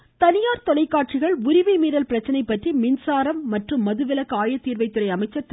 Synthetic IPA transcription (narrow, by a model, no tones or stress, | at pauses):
t̪ɐnɪjaːɾt̪ɔlɐɪkːaːʈ̚t͡ʃɪɣɐɭʊɾɪʋimiːɾɐlpɪɾɐt͡ʃːɐnɐɪpːɐʈrimɪnsaːɾɐmːɐʈrɯmːɐðɯʋɪlɐkːaːjɐt̪ːiːɾʋɐɪt̪ːɯɾɐɪɐmɐɪt͡ʃːɐɾt̪ː